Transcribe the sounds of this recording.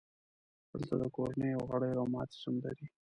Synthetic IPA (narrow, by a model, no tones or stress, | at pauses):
d̪əlt̪ad̪əkoɾanəjawɣaɽəjawmɑt̪sumd̪a̰d̪i